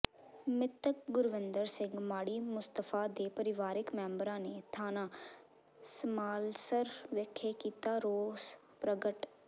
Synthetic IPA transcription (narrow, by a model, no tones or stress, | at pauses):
mɪt̪ək̚ɡʊɾʋɪnd̪əɾsɪ̃ŋɡmaːɽiːmʊst̪əfʰaːd̪eːpəɾɪʋaːɾɪkmɛːmbəɾãːneːt̪ʰaːnaː | smaːlsəɾʋeːkʰːeːkiːt̪aːɾoːs | pɾəɡəʈ